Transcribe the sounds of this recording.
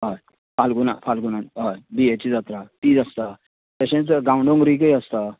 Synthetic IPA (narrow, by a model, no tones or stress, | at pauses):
ɦəj | falɡuna̰falɡunanɦəjbiet͡ɕid͡zat̪ɾat̪iːd͡zəst̪ə | t̪əɕẽt͡sɡawɳɖõŋɡɾik̬əjəst̪ə